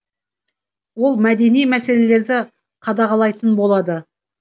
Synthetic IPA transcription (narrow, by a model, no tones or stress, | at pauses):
wo̞lˠmæd̪e̞nijmæse̞le̞le̞ɾd̪ɪ | qʰɑd̪ɑʁɑlˠɑjt̪ənbo̞lˠɑd̪ə